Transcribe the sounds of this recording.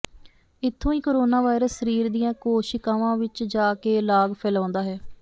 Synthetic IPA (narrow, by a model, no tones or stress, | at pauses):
ɪt̪ʰːõːiːkoːɾoːnaːʋaːɪɾəsːəɾiːɾd̪ijãːkoːʃɪkaːʋãːʋɪt͡ʃd͡ʒaːkeːlaːɡpʰɛːlãːnd̪aːɦɛː